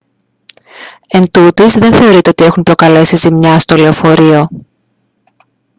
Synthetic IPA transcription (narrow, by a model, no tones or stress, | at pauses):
e̞nt̪ut̪izðe̞nθe̞o̞ɾit̪eo̞t̪ie̞xunpɾo̞kɐle̞sizimɲɐst̪o̞le̞ofo̞ɾio̞